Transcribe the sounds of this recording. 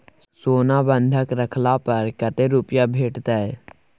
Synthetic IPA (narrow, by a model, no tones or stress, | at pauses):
soːnãːbə̃nd̪ʱəkɾəkʰlaːpəɾkət̪eːɾuːpjaːbʱeːʈt̪ɛː